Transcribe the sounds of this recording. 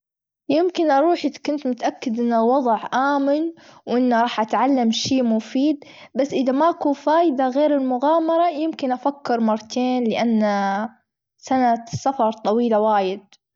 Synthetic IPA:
jɪmkɪnʔɑɾˤuːħʔɪkʊnt̪mʊt̪ʔakːɪd̪ʔɪnːawɑðˤʕʔaːmɪnwʔɪnːaɾˤɑːħʔat̪ʕalːamʃiːmʊfiːd̪basːʔɪðamaʔakuːfaːjɪd̪aɣeːɾɪlmʊɣaːmɑɾˤɑjɪmkɪnʔafakːɪɾmɑɾˤːɑt̪ʰeːnlɪʔanːa | sanasafɑɾˤt̪ˤɑwiːlawaːjɪd̪̚

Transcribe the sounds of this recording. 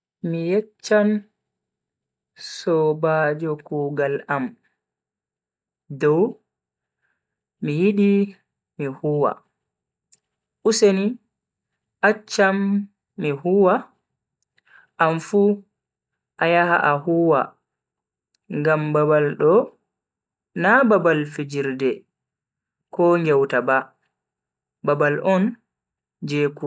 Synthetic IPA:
mijɛt͡ʃːan | sɔbaːd͡ʒɔkuːɡalam | dɔw | mijiɗi | mihuːwa̰ | ʔuseni | ʔat͡ʃːamː | ihuwa | ʔamfu | ʔajaha̰ʔahuwa̰ | ŋɡambabalɗɔ | nababalfid͡ʒiɾdɛ | kɔŋɡɛwtaba | babalɔn | d͡ʒɛːku

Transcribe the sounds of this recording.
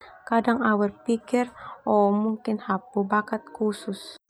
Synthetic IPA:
kadaŋawərpikɪrɔmuŋkɪnhapubakat̪̚kusʊs

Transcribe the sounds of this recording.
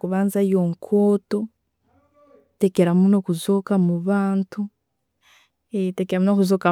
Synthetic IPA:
kuβaːnzajoŋkʰoːto̞ | tekeɾamunokuzoːkamuβaːntu | tekeɾamunokuzoːka

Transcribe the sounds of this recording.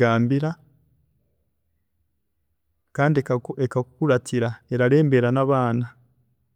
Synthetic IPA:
aːmbiɾa | kaːndiekakukuɾatʰiɾae̞ɾaɾe̞ːmbe̞ɾanaβaːna

